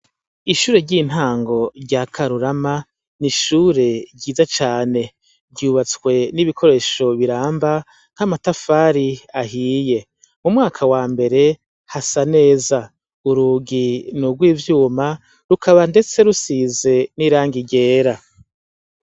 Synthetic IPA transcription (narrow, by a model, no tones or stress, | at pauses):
iʃuːɾe̞ɾɟiːn̥haːŋɡo̞ɾɟaːkʰaɾuɾama | niʃuːɾe̞ɟiːzat͡ʃaːne̞ | ɾɟuːβat͡skwe̞niβikʰo̞ɾe̞ːʃo̞βiɾaːmba | ŋ̥hamatafaːɾiaɦiːje̞ | mumŋaːkʰawaːmbe̞ɾe̞ | hasane̞ːza | uɾuːɡinuɡwiːvjuːma | ɾukʰaβande̞t͡se̞ɾusize̞niːɾaːŋɡiɟe̞ːɾa